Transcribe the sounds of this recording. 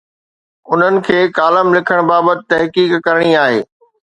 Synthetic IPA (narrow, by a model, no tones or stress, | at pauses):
ʊn̤ənɪ̆kʰeːkaːləmlɪkʰəɽ̃baːbət̪ɪ̥t̪ɐɦkiːkkɐɾəɽ̃iaːɦḛː